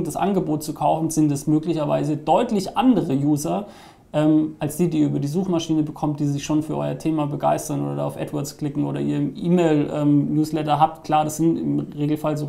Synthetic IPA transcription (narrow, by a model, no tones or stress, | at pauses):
d̥asʔa̰nɡəboːt̚t͡sukʰaʊfn̩zɪntɛsmøːklɪçɐva̰ɪzədɔʏtlɪçʔandəʁəjuːzɐ | ʔɛːmʔalsd̥iːdiːɐʔyːbɐdiːzuːxmaʃiːnəbəkʰɔmt̚d̥iːzɪçʃoːnfyːɐʔɔ̰ʏɐtʰeːmaːbəɡa̰ɪstɐno̰ːdɐda̰aʊfʔɛ̰tvɔɐskl̥ɪkŋ̩ʔoːɾɐḭːɐɪmʔiːmeɪlʔɛːmjuːslɛtɐɦaːp̚tkʰl̥aːɐɾasz̥ɪntɪ̰mʁeːɡl̩falzoː